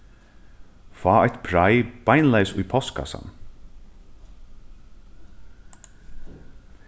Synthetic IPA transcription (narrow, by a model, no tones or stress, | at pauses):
faːɛjt̪pʰɾajb̥ajnlajsʊjpʰɔskʰa̰sa̰n